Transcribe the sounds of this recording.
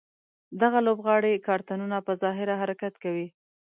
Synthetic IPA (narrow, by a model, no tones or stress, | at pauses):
d̪aɣalobɣɑɽekɑɾt̪anunapəzɑɦɪɾaɦaɾakat̪kawi